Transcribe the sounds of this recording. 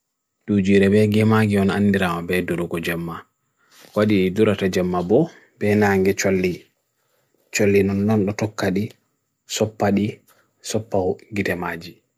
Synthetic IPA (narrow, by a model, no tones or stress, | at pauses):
dud͡ʒiːɾɛbɛɡɛmaɡiɔnandiɾamabɛdɔɾɔɡɔd͡ʒamːa | waɗiːduɾatad͡ʒɛmːabɔ | bɛnaŋɡɛt͡ʃolːi | t͡ʃolːinɔnɗɔnɗɔtɔkːaɗi | sɔpːaɗi | sɔpːawɡitɛmaːd͡ʒi